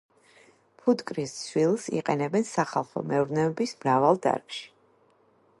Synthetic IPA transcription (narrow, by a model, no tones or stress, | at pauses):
pʰut̪kʼɾissʰwilˠsḭqʼɛnɛbɛnsaχalˠχɔ̰mɛuɾnɛɔbismɾavalˠd̪a̰ɾkʼʃi̥